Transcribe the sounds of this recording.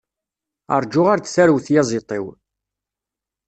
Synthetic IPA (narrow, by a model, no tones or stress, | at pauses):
ə̰ɾˤd͡ʒʊʁaɾt͡sθæɾwθjɑzˤɪt̪ˤɪw